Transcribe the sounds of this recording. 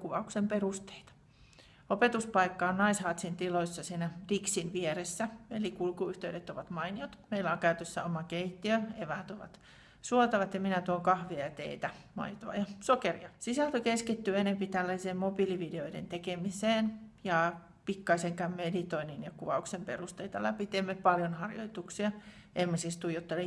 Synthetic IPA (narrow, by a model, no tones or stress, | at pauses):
kuʋɑuksemperust̪e̥it̪ɑ̥ | opet̪uspɑikːɑːnnɑishɑːt̪sint̪iloisːɑsiːnæd̥iksinʋieresːæḛlikulkuyht̪eydet̪ːoʋɑt̪mɑiniot̪meilæoŋkæyt̪øsːæ̰omɑkeit̪ːiøeʋæːt̪oʋɑ̰t̪ | suot̪ɑʋɑt̪jɑminæt̪uoŋkɑhʋiɑt̪ḛit̪æmɑ̰it̪oɑ̰jɑsokerḭɑsisælt̪okeskit̪ːyenempit̪ælːæiseːmmobiliʋideoidḛnt̪ekemiseːnjɑ | pikːɑiseŋkæmmedit̪oininjɑkuʋɑuksempḛrust̪eit̪ɑlæpit̪emːepɑljonhɑrjo̰it̪uksiɑʔemːɑsist̪ujot̪ːɑle